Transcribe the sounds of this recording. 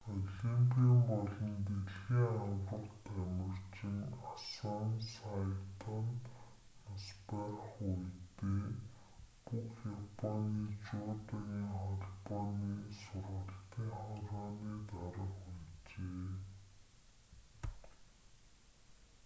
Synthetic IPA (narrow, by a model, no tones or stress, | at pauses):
ɔɮimpʰiampɔɮɞ̆nt̪eɮɣiːŋawrə̆rt̪æmɪ̆r̥t͡ɕɪ̆ŋasɔnsajt̪ɔnː | aspaχujt̪eː | pukxjapʰɔniːt͡ɕʊːt̪ə̆ɣiːŋχɔɮpɔniːsʊrʁə̆ɬt̪iːŋχɔɾɔːniːt̪aɾə̆χujt͡ɕeː